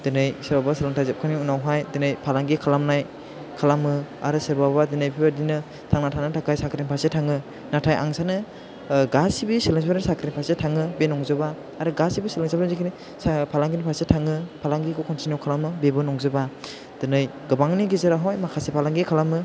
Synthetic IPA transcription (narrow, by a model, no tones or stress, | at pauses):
d̥ɯnɯjsɯɾbabasɯlaŋtʰajzep̚kʰaniunawɦajdɯnɯjpʰalaŋɡikʰalamnaj | kʰalamɯa̰ɾɯsɯɾbabadɯnɯjpʰibadinɯ | tʰaŋnatʰanɯtʰakʰajsakʰɾinpʰaɾsetʰaŋɯ | natʰajʔa̰ŋsanɯ | ɡasibisilɯŋspaɾsakʰɾinpʰasetʰaŋɯbenɔŋzɯbaː | ɾɯɡasibisilɯŋsabɾanzikʰini | spʰalaŋɡinipʰaɾsetʰaŋɯpʰalaŋɡikʰɔkʰɔntinjukʰalamɯbebɯnɔŋzɯba | d̥ɯnɯjɡɯbaŋniɡizeɾaɦɔjmakʰasepʰalaŋɡikʰalamɯ